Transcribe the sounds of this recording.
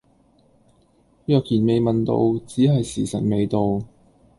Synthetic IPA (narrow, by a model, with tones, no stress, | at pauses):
jœː˨k̚jiː˨˩nme˨˧jmɐ˨nt̪o̰˧wt͡siː˨˥ɦɐ˨jsiː˨˩sɐ˨˩t̚me˨˧jt̪o˨w